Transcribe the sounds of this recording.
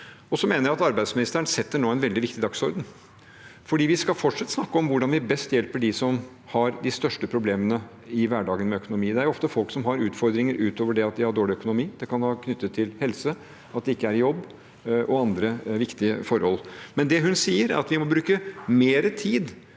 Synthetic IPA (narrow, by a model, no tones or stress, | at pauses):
ɔsɔmeːnəɾjæɾɑt̪ɑɾbæɪd̪smɪnɪst̪æəɳ̩sɛt̪ːəɳoːæɪnʋɛld̪ɪʋɪkt̪ɪd̪ɑksɔɾd̪ən̩ | fɔɖiːʋɪskɑlfɔʈʂɑt̪ːəsnɑkːəɔmʋʊɖɑnʋɪbɛst̪jɛlpəɖɪsɔm | hɑɾd̪ɪst̪œʂʈəpʰɾʊbleːmənə | ɪʋæːɖɑːɡənmɛœkʊnʊmiːd̪ɛæɾjʊɔft̪əfɔlksɔmɦɑɾʉːt̪fɔɾd̪ɾɪŋəɾʔʉːt̪oːʋəɖɛɑt̪̚d̪ɪhɑɖoːɭɪœkʊnʊmiːd̪̥ɛkɑnhɑːkʰnʏt̪ːət̪ʰːɪlhɛlsə | ɑt̪d̪ɛɪkːəæɾjɔbː | ʔɔɑnd̪ɾəʋɪkt̪ɪəfɔɾhɔlmɛnd̪ɛɦʉnsiːəɾæ̰ɾɑt̪ʋɪmɔbɾʉːkəmeːɾət̪ʰiːd̪